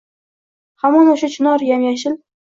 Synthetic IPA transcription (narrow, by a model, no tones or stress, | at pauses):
hamɒnoʃat͡ʃʰɪnɒɾjamjaʃɪl